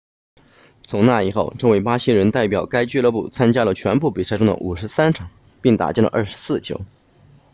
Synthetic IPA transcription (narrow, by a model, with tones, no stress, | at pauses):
t͡sʰʊ˧˥ŋna˥˩i˨˩xo˥˩ʊʈ͡ʂɤ˥˧ŋwe˥˩ɪpa˥ɕi˥ŋɻə˧˥nt̪a˥˩ɪpjɑ˨˩ʊka˥ɪt͡ɕɥɛ˥˧lɤ˥˧pṵ˥˩t͡sʰa˥nt͡ɕja˥lə˨t͡ɕʰɥɛ˧˥npu˥˩pi˨˩sa˥˧ɪʈ͡ʂʊ˥ŋd̪ə̰˧ʔu˨˩ʂɻ̩˧˥sa˥nʈ͡ʂʰɑ˨˩˦ŋ | pi˥˩ŋt̪a̰˨˩t͡ɕjɛ˥˩nlə̰˧ʔə̰˞˥˩ʂɻ̩˧˥sɹ̩˥˩t͡ɕjo̰˧˥ʊ